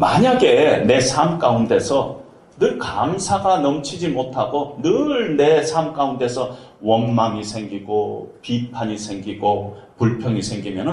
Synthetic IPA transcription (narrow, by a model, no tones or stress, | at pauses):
maɲaɡe̞ne̞sʰamk͈aunde̞sʰʌ | nɯɭkamsʰaɡanʌmt͡ɕʰid͡ʑimotʰaɡonɯɭne̞sʰamk͈aunde̞sʰʌwʌnmaŋisʰe̞ŋɡiɡopipʰaɲisʰe̞ŋɡiɡo | puɭpʰjʌŋisʰe̞ŋɡimjʌnɯ